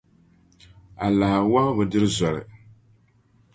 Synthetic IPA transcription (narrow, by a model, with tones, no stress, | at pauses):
a˨la˨ha˨wa˦bɨ˨dɨ˦ɾɨ˦zɔ˨lɨ̰˨